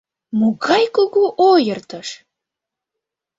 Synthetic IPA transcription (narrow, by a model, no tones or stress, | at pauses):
muɣɑjkoɣoʔojərt̪əʃ